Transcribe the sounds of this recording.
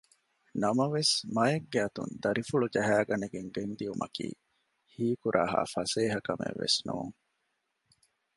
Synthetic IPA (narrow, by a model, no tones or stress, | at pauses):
nɐmɐʋesmɐjeɡːeɐt̪ṵnd̪ɐɾifuɭud͡ʒɐɦæːɡɐneɡeŋɡend̪iumʔɐkḭː | hiːkuɾʔaːɦa̰ːfɐseːɦɐkɐmḛʋːḛsnṵːŋ